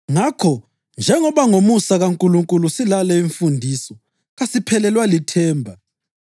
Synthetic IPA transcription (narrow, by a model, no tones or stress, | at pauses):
ŋakʰɔ | nd͡ʒʱɛŋɔβaŋomusaɣaŋkʼuluŋkʼulusilalɛiɱfundʱisɔ | ɣasipʰɛlɛlwalitʰɛːmbʱa